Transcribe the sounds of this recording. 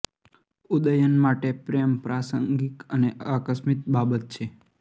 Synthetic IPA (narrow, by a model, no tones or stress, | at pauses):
ud̪əjənmaʈepɾejəmpɾasə̰ŋɡikəneəkəsmit̪̚babət̪̚t͡ʃʰe